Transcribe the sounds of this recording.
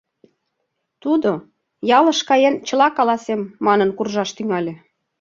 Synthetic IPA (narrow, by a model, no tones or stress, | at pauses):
t̪ud̪o | jɑləʃkɑjent͡ɕə̆lɑkɑlɑsemːɑnənkurʒɑʃt̪yŋɑlʲĕ